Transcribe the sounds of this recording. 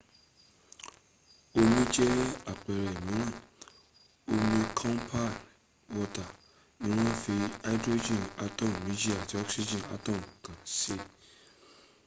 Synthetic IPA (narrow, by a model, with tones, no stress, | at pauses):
o˧mĩ˦d͡ʒɛ˦a˨k͡pɛ˨ɾɛ˨mĩ˨˦ñã˦˨ | o˧mĩ˧kʰɔ̃˦npʰa˦˨n | wɔ˧ta˨ | nĩ˨˦ɾ̃ã˦fi˧a˦i˦dɾo˦d͡ʒĩ˦˨na˦tɔ˦˨mːĩ˦di˦a˨ti˨˦ɔ˦ksi˦d͡ʒĩ˨a̰˧˦tɔ˦˨mkã˨se˦